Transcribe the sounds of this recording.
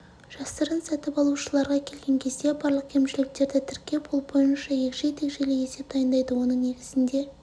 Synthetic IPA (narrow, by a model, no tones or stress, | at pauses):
ʒ̥ɑsəɾənsæt̪ɪpɑlˠuʃəlˠɑɾʁɑkʲʰe̞lɡʲe̞ŋkʲʰe̞zd̪e̞bɑɾlˠəq̚kʲʰe̞mʃɪlɪk̚t̪e̞ɾd̪ɪt̪ʰɪɾkʲːe̞pʰolˠbo̞jənʃɑje̞kʒe̞jt̪ʰe̞kʒe̞leje̞se̞p̚d̪ɑjənd̪ɑjd̪əwo̞nəŋne̞ɡʲɪz̥ɪnd̪e̞